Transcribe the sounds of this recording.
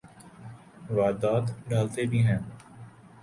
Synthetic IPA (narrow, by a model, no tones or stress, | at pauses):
ʋaːd̪aːt̪ɖaːlt̪ebʱiɦɛ̃ː